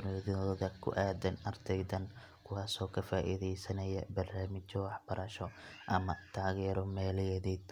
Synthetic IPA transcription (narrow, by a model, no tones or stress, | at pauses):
nɔðɔːðɐkʰʊ̰ʔaːd̪ɐnɐrd̪ʰɛjðɐn | kʰʊwaːsɔːkʰɐfaːʔḭðɛjsɐnɐjɐ̰bɐrnaːmɪt͡ʃɔwɑħb̥ɐɾɐʃɔ | ʔɐmɐt̪ʰaːɣɛːɾɔmɛːlɪjɛðɛːd̪